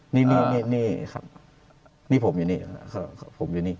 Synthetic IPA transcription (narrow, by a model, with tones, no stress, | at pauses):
niː˧˥˩niː˧˩niː˧˩niː˥˩kʰa̰˦˩p̚ | niː˥˩pʰo˩˦mjuː˨˦niː˧˩˧kʰa˧˩˧pʰo˩˦mjuː˨˦niː˧˥˩